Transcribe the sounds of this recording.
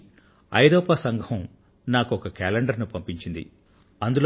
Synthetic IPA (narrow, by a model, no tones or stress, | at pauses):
ɐ̰jɾɔːpasɐŋɡʱɐm | naːkuɔkɐkɛːleɳɖɐɾnupɐmpiɲt͡ʃind̪ḭ | ɐnd̪ulo